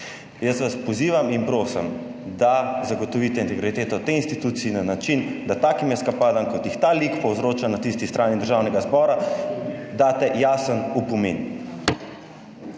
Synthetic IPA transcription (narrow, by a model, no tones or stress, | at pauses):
jəsʋaspɔziːʋaminpɾoːsə̰m | d̪azaɡɔt̪ɔʋit̪ɛint̪ɛɡɾit̪eːt̪ɔt̪einst̪it̪ut̪siinanat͡ʃind̪at̪aːkimɛskapaːd̪amkɔt̪jixt̪alikpɔwzɾoːt͡ʃanat̪ist̪ist̪ɾʔaːnid̪əɾʒaːwnɛɡazbɔːɾa | d̪aːt̪ɛjasənupɔmḛːn